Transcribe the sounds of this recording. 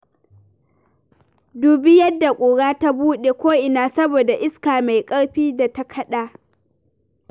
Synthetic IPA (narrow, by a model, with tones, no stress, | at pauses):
duː˨bɪ˦jɐ˦dːa˨kʷʼoː˨ɽaː˦ta˦buː˦ɗe˨kʷoː˦ʔɪ˨naː˨sɐ˦boː˨da˨ʔɪ˦skaː˨ma˨jkʼɐ˦ɽɸiː˦da˨ta˦kʰɐ˦ɗaː˨